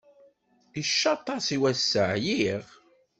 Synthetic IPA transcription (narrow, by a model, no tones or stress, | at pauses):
iʃːɑt̪ˤɑsiwæsːəʕjiʁ